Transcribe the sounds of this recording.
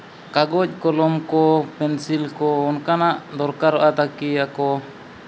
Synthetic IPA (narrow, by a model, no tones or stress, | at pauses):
kaɡɔc̚ˀkɔlɔmkɔpɛnsilkɔːnkanaʔd̪ɔɾkaɾɔʔat̪akiakɔ